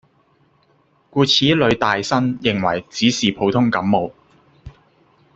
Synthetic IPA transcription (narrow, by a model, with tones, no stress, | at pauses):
kuː˧t͡sʰiː˨˥lɵ˨˧ɥt̪aː˨jsɐ˥njɪ˨ŋwɐ̰˨˩jt͡siː˨˥siː˨˩pʰo˨˧wt̪ʰʊ˥ŋkɐ˨˥mːo˨˧w